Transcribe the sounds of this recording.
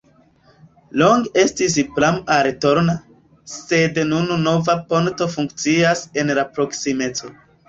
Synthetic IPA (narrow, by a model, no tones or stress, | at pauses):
lo̞ŋɡe̞stis̬plamaɾeto̞ɾna | sednununo̞vapo̞nto̞fuŋkt͡siase̞nlapɾo̞ksime̞t͡so̞